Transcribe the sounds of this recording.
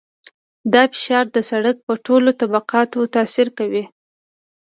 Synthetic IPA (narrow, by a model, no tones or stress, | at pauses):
d̪ɑfɪ̥ʃɑɾd̪əsaɽək̚pəʈolot̪abaqɑt̪ot̪ɑsiɾkawi